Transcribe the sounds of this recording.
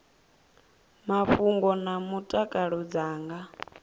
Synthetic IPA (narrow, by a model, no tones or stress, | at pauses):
maɸuŋɡɔnamutʼakʼaɺɔd͡zaːŋɡa